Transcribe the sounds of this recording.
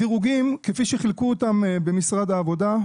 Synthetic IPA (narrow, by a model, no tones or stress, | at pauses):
iʁuɡimkefiʃeχilkuotambe̞misʁad̪aːvo̞da